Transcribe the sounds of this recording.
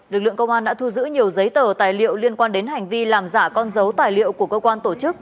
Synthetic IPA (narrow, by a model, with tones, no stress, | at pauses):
lɨ˨˩k̚lɨ̰˧˨əŋkə˧wŋ͡mʔaː˧ɗa̰ː˧˥t̪ʰu˧zɨ̰˧˥ɲi˨˩əwzə˨˦jt̪əː˨˩t̪aː˨˩jlḭ˧˨ə˨wli˧ənkwaː˧nɗe˨˦nɦa˨˩jŋ̟vi˧laː˨˩mzaː˧˩kɔ˧nzə˨˦wt̪aː˨˩jlḭ˧˨əwku˧˩əkəː˧kwaː˧nt̪o˧˩t͡ɕɨ˦˥k̚